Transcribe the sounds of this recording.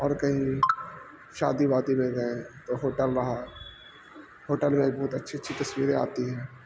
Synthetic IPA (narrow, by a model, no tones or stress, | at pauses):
ɔːɾkɐɦĩ | ʃaːd̪ibaːt̪imẽɡɐẽt̪oɦoːʈəlɾɐɦa | ɦoːʈəlmeibɔːt̪ɐtːʃʰiəːʃʰit̪ɐswiːɾẽa̰ːt̪iɦɛ̃ː